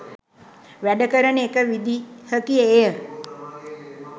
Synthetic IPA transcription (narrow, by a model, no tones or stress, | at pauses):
ʋɛɖəkəɾəɳekəʋid̪ʱihəkiejəɾ